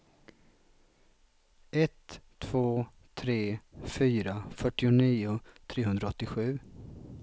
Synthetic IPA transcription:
ɛt̪ʰː | v̥oː | t̪ʰɾeːfyːɾafœʈːɪʊniːʊt̪ʰɾeːɦɵnd̪ɾaɔt̪ːɪɧʉ̟ː

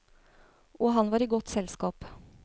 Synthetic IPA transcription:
ʔɔɦɑnʋɑːɾiːɡɔt̪sɛlskɑːp

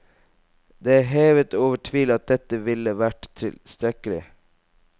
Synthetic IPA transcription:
d̪eɦeːʋət̪oːʋəʈʰʋiːlɑt̪̚d̪ɛt̪əʋɪləʋæʈt̪ʰɪ̰lst̪ɾɛkəlɪ̰

